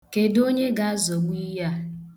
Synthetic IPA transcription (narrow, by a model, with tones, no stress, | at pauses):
ke˨do˦ɲe˦ɡa˦a˦zo˨ɡ͡bʷi˦ja˦